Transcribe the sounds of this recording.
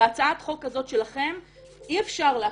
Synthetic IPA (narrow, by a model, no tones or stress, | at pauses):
at͡saat̪χo̞kːazo̞t̪ʃe̞laχe̞m | ʔiefʃaʁlea